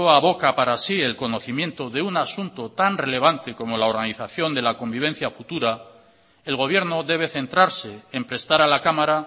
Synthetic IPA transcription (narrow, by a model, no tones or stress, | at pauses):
oaβo̞kapaɾasie̞lko̞no̞θimjẽ̞nt̪o̞ðe̞unasunt̪ot̪anre̞le̞β̞ant̪e̞ko̞mo̞lao̞ɾɣaniθaθjo̞nd̪e̞lako̞mbiβ̞e̞n̟θjafut̪uɾa | e̞lɣ̞o̞β̞je̞ɾno̞ðe̞β̞e̞θe̞nt̪ɾaɾse̞ːmpɾe̞st̪aɾalakamaɾa